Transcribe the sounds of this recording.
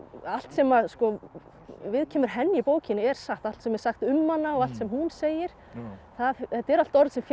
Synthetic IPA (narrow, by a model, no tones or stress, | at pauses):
al̥t̪sɛmaskɔ | vɪðcʰɛːmʏɾ̥ɦɛnːɪɪpoːwcɪnɛɾ̥saxt̪aflt̪sɛmɛɾsaxt̪ʏmːanːaɔɣal̥t̪sɛmhunseːjɪɾ̥ | θaðɛt̪ːɛɾal̥t̪ɔɾðsɛmf